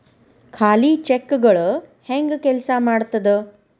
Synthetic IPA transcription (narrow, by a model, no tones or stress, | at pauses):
kʰaːlit͡ʃekːɡɐɭuheŋɡkɛlɐsɐmaːɽt̪ɐd̪e